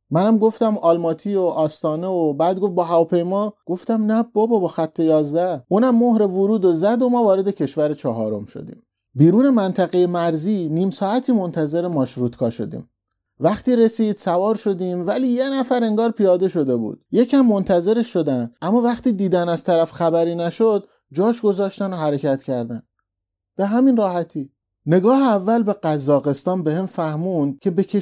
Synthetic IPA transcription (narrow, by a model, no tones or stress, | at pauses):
mænæmɡo̞ft̪æmɒːlmɒːt̪ʰioʔɒːst̪ɒːne̞obæd̪ɡo̞fbɒːɦævɒːpʰe̞jmɒːɡ̥o̞ft̪æmnæb̥ɒːbɒbɒːxæt̪ʰːe̞jɒːzd̪æʔunæmːohɾe̞voɾuːd̪o̞zæd̪o̞mɒːvɒːɾe̞d̪e̞cʰe̞ʃvæɾet͡ʃʰɒɦɒ̰ːɾo̞̰mʃo̰d̪ḭːm | biːɾuːne̞mænt̪ʰæɣejemæɾziːniːmsɒːæt̪ʰiːmo̞nt̪ʰæze̞ɾemɒːʃɾut̪kʰɒːʃo̞̰d̪ḭːm | væχt̪iːɾe̞siːd̪̥sævɒːɾʃo̞d̪iːmvæliːje̞næfæɾe̞ŋɡɒːɾpʰijɒːd̪e̞ʃo̞d̪e̞bṵːd̪̥̚je̞cʰæmːo̞nt̪ʰæze̞ɾeʃːo̞d̪ænd̪ʔæmːɒːvæχt̪iːd̪iːd̪ænæz̥t̪ʰæɾæfxæbæɾiːnæʃod̪̚ | d͡ʒɒːʃɡo̞zɒːʃt̪ænoɦæɾe̞cʰæt̪ʰcʰæɾd̪æn | b̥e̞ɦæminrɒːhæt̪ʰiː | ne̞ɡɒːheævːælbe̞ɢæzːɒːɣe̞st̪ɒːnbe̞hemfæhmuːnd̪̥̚cʰe̞be̞cʰe